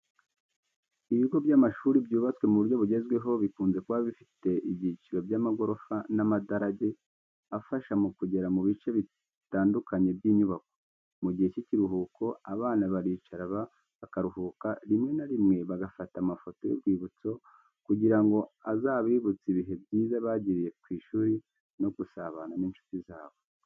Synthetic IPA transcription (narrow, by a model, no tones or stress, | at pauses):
iβiɡo̞bjaːmaʃuːɾibɟuːβat͡swe̞muβuɾjo̞βuɟe̞zɡwe̞ɦo̞βikuːnze̞kwaːβifi̥te̞ʔibɟiciɾobjaːmaɡo̞ɾo̞fanamadaɾaɟe̞ | afaʃamukuɟe̞ɾamuβit͡ʃe̞βi | taːndukʰaɲe̞bjiːɲuβako̞̥ | muɟihe̞ciciɾuɦukʰo̞aβaːnaβaɾiːt͡ʃaɾaβa | βakaɾuɦuːkaɾimŋe̞naɾimŋe̞βaɡafatamafo̞to̞jobɡwiːβut͡so̞ | kuɟiɾaŋɡo̞azaːβiːβut͡siβiɦe̞bɟiːzaβaɟiɾije̞kwiːʃuːɾi | no̞ɡusaβananiːnʃu̥tizaːβo̞